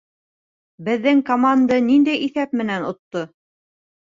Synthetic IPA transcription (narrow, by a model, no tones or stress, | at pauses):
bɘ̆ðːɘŋkomand̪ənind̪æjiθæp̚mɘ̆nænŏt̪ːo